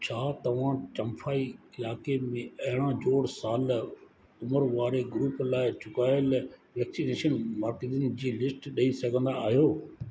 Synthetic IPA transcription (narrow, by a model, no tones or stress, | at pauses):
t͡ɕʰaːt̪ɐʋ̤ãt͡ɕɐ̃mfʰaːiɪlaːkemẽɐɦɪɽ̃ãd͡ʑoːɽsaːl | ʊməɾʋaːɾeɡɾuːplaːɪt͡ɕʊkaːjəlʋɛːksineːʃənmaːɾked̪ɪn̆d͡ʑiːlɪsʈɗɐisɐɡʱə̃nd̪aːɦijoː